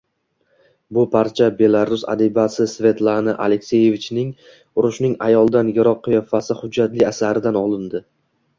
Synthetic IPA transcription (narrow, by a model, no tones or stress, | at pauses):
bʊpʰaɾt͡ʃʰabe̞lˠaɾʊsa̰d̪ibasɪsvʲe̞t̪lˠanaʔale̞kʲse̞je̞vit͡ʃnɪŋ | ʊɾʊʃnɪŋa̰jɒlˠd̪anjɪɾɒqʰːjɒfasɪhʊd͡ʒːat̪lɪasaɾɪd̪anɒlˠɪnd̪ɪ